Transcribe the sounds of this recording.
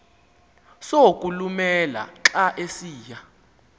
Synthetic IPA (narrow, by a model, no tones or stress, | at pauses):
sokʼulumɛla̰ǁaʔesiːja